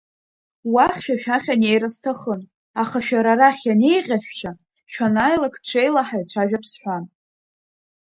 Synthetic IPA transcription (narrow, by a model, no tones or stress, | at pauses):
waχʲʃᶣaʃᶣaχʲane̞jɾastʰaχən | aχaʃᶣaɾaɾaχʲjane̞jʁʲaʃᶣt͡ʃʰa | ʃᶣanajlakʰʼʈ͡ʂʷʰejlaħajt͡ʃʷʰaʒᶣapʰsħʷan